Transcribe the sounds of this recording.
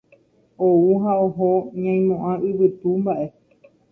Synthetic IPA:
ouɦaoɦoɲãj̃mõʔãʔɨβɨt̪umbaʔe̞

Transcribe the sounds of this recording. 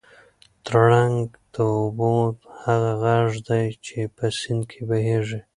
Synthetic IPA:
t̪ɾɽaŋɡ | d̪̥əʊbod̪haɣaɣaʐd̪ajt͡ʃepəsɪnd̪kʰebaɦeʐi

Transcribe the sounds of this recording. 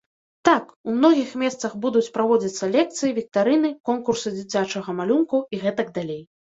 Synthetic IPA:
t̪akumnɔɣʲixmʲɛst̪sɐxbud̪ut͡sʲpɾavɔd͡zʲɐt̪sːɐlʲɛk̚t̪sɨjivʲik̚t̪aɾɨnɨkɔnkursɨd͡zʲit͡sʲat͡ʂɐɣɐmalʲunkuiɣɛt̪ɐɡ̚d̪alʲej

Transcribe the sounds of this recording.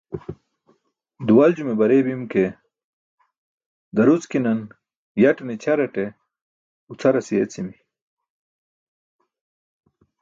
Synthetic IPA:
d̪uwald͡ʑumebɐɾebimke | d̪ɐɾut͡skinɐn | jɐʈnit͡ɕʰɐɾɐʈe | ut͡sʰaɾɐsijet͡simi

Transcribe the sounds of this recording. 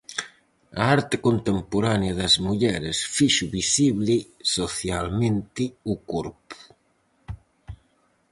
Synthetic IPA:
a̰aɾt̪ekont̪empoɾanjaðazmuʎɛɾesfiʃuβisiβlisoθjalmẽnt̪iukoɾpu̥

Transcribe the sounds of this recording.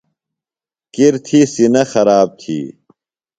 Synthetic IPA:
kiɾt̪ʰiːsinɐxɐɾaːb̚t̪ʰḭː

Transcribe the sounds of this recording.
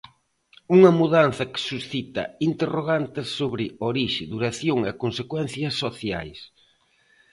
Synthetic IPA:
uŋɐmuðan̟θɐkɪ̥susθit̪ɐ̰int̪eroɣant̪ɪsːoβɾɪoɾiʃɪðuɾaθjoŋɛkonsekwɛn̟θjɐsːoθja̰js

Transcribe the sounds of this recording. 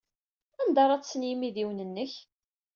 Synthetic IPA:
ænd̪ɑɾˤɑt͡sːsːnjimiðiwnənːəç

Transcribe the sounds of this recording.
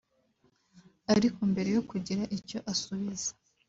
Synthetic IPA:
aɾikumbe̞ɾe̞jo̞kuɟiɾaʔiɾco̞ʔasuβizḁ

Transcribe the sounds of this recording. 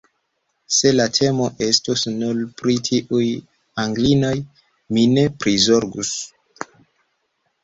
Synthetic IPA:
se̞latʰe̞mo̞ʔe̞stusnulpɾitʰiʔuj | aŋɡlinoj | mine̞pɾizo̞ɾɡus

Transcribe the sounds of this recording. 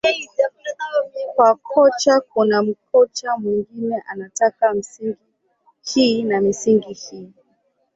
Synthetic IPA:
ɛizamaavikwakʰɔt͡ʃakunam̩kɔt͡ʃamwiŋɡinɛʔanatakam̩siŋɡi | hinamisiŋɡihiː

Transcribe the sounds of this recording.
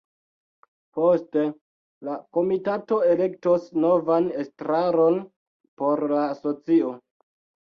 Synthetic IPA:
po̞ste̞ | lako̞mitato̞e̞le̞k̚tosno̞vanestɾaɾo̞n | po̞ɾlaːso̞t͡sio

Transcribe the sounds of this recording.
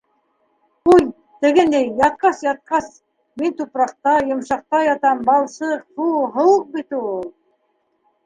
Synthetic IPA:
uj | t̪ɘ̆ɡɘnd̪æjːɑt̪̚qɑsjɑt̪̚qɑs | mint̪upɾɑqt̪ɑjŏmʃɑq̚t̪ɑjɑt̪ɑmbɑlˠsɤq̚buɦɤ̆wɤq̚bit̪ulˠ

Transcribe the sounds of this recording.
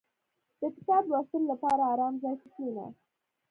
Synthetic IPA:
d̪̥əkɪ̥t̪ɑbwast̪əlolapɑɾaːɾɑmzɑjtɪk̪mina̰

